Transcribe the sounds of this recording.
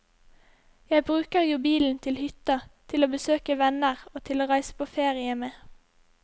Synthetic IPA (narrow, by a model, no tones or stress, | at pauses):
jæɪbʁʉːkəʁjuːbiːln̩t̪ʰɪlhʏt̪ɑt̪ʰɪloːbəsøːkəʋɛnəʁoːt̪ʰɪloːʁæɪsə̥pʰoːfeːʁɪəmeː